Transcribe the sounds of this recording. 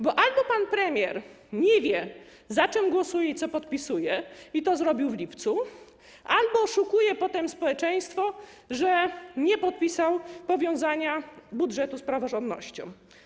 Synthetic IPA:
bɔʔalbɔpanpɾɛmʲjɛɾ | ɲɛvʲjɛ | zat͡ʂɛmɡwɔsujɛit̪sɔpɔt̪̚pʲisujɛit̪ɔzɾɔbʲiwvlʲipt̪su | ʔalbɔʂukujɛpɔt̪ɛmspɔwɛt͡ʂɛj̃st̪fɔʐɛɲɛpɔt̪̚pʲisawpɔvʲjɔ̃w̃zaɲabudʐɛt̪uspɾavɔʐɔnd̪nːɔ̰ɕt͡ɕɔ̰̃w̃

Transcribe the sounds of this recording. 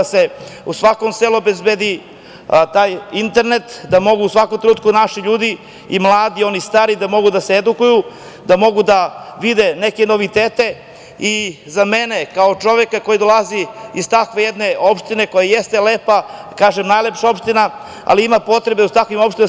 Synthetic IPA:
aseusʋako̞mseluobezbed̪i | t̪aːjint̪e̞ɾne̞t̪d̪amo̞ɡuusʋakomt̪ɾenut̪kunaʃiʎuːd̪i | imlˠaːd̪io̞nist̪aːɾid̪amo̞ɡud̪aseed̪ukuju | d̪amo̞ɡud̪aʋid̪e̞neke̞no̞ʋit̪eːt̪e̞ | i | zamene̞kaot͡ʃo̞ʋekako̞jid̪o̞lˠaziiz̥t̪akʋe̞jed̪ne̞ʔo̞pʃt̪ine̞ko̞jajest̪e̞lepakaːʒemnaːjlepʃao̞pʃt̪ina | a̰liimapo̞t̪ɾe̞beut̪akʋimo̞pʃt̪in

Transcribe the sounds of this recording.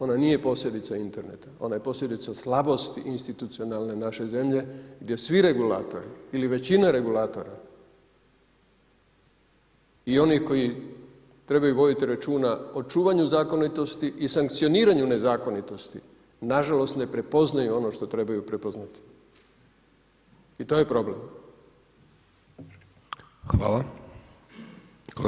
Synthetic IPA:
o̞naniːje̞po̞sʎʲe̞d̪it̪saint̪e̞ɾne̞t̪ao̞̰naje̞po̞sʎʲe̞d̪it̪saslabo̞st̪iʔinst̪it̪ut̪sio̞nalˠne̞naʃe̞ze̞mʎe̞ɡd̪je̞sʋiɾe̞ɡula̰ːt̪o̞̰ɾiiliʋe̞t͡ɕinaɾe̞ɡulaːt̪o̞ɾa | io̞nihko̞ji | t̪ɾe̞bajuʋo̞d̪it̪iɾat͡ʃuːnao̞t͡ʃuːʋaɲuzaːko̞nit̪o̞st̪iʔisaŋkt̪sijo̞niːɾaɲune̞zaːko̞nit̪o̞st̪i | naʒalo̞st̪ne̞pɾe̞po̞znajuo̞no̞ʃt̪o̞t̪ɾe̞bajupɾe̞po̞znat̪i̥ | it̪o̞ːje̞pɾo̞ble̞̰m | xʋa̰ːlˠa

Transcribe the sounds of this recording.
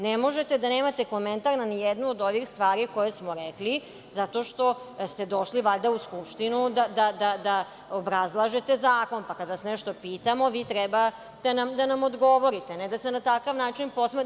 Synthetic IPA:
nemo̞ʒe̞t̪e̞d̪aneːmat̪e̞ko̞ment̪aɾnanijed̪nuod̪o̞ʋixst̪ʋaːɾiko̞jesmo̞ɾekli | zat̪o̞ʃt̪o̞ | st̪e̞d̪o̞ʃliʋaʎd̪auskupʃt̪inud̪ad̪ad̪ad̪a | obɾazlˠaʒe̞t̪e̞zaːko̞npakad̪aasneʃt̪o̞piːt̪amo̞ʋiːt̪ɾɛba | d̪̥anamd̪anamo̞d̪ɡo̞ʋo̞ɾit̪e̞ned̪asenat̪akaʋnaːt͡ʃinpo̞sme

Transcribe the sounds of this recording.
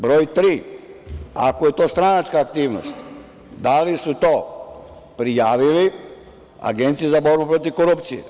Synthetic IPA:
bɾo̞ːjt̪ɾiː | a̰koje̞t̪o̞ːst̪ɾanat͡ʃkaːk̚t̪iːʋno̰st̪ | d̪alisut̪o̞ː | pɾijaːʋili | a̰ɡe̞nt̪sijezabo̞ɾbupɾo̞t̪iʋko̞ɾupt̪sijḛ

